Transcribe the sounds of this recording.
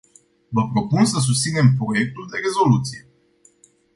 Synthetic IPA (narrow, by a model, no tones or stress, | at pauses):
vəpɾo̞punsəs̬ust̪sine̞mpɾo̞je̞k̚t̪uld̪e̞ɾe̞zo̞lut̪sije̞